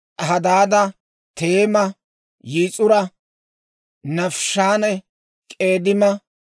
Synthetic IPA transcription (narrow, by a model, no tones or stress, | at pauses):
ɦɐd̪aːd̪ɐ | t̪e̞ːmɐ | jiːt͡sʼʊɾɐ | nɐfʃaːnɛ | kʼe̞ːd̪ɪmɐ